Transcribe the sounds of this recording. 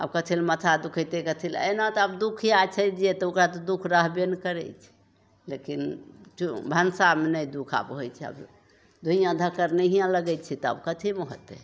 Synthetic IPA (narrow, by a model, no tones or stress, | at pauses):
ə̰bkət̪ʰilmət̪ʰad̪ukʰəjt̪ekət̪ʰilə̰nat̪ɔəbd̪ukʰijat͡ʃʰəd͡ʒet̪ɔukɾat̪ɔd̪ukʰɾəɦbenkəɾɛ̰t͡ʃʰɛ̥ | lekint͡ʃubʱənsamenəjd̪ukʰa̰bɦojt͡ʃʰɛə̰b | d̪ʱuɦijãd̪ʱəkːəɾneɦijãləɡɛt͡ʃʰɛt̪ɔə̰bkət̪ʰimoɦə̰t̪e